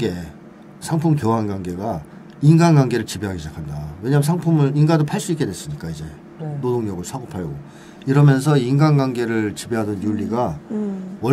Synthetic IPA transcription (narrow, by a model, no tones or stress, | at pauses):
e̞ | sʰaŋpʰumkjoɦanɡwaŋɡe̞ɡa | inɡanɡaŋɡe̞ɾɯɭt͡ɕibeɦaɡiɕʰid͡ʑakʰandawe̞ɲaɦːmsʰaŋpʰumɯɭinɡadopʰaɭs͈uik͈e̞dwes͈ɯɲik͈aid͡ʑe̞ | nodoŋɲʌɡɯɭsʰwaɡopʰaɭɡo | iɾʌmjʌns̬ʰʌinɡanɡaŋɡe̞ɾɯɭt͡ɕibeɦadʌnjuʎːiɡa | wʌ